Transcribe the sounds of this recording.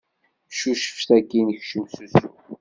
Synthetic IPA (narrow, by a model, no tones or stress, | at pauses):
ʃuʃə̥fθæɡinəçʃəmsusu